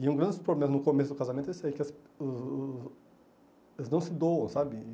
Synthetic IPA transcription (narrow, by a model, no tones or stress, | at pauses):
ɪũɡɾɐ̃nd͡ʒ̪ɪspɾoblemɐnʊkomesʊd̪ʊkazamẽnt̪ʊesɛkɪɐs | ʊz | elznɐ̃w̃sɪd̪owɐ̃w̃sabɪ